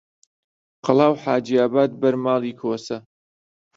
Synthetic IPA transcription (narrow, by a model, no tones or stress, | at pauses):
qɨlˠaːwħaːd͡ʒiaːbaːd̪̚bɐɾmaːliːkʰoːsɐ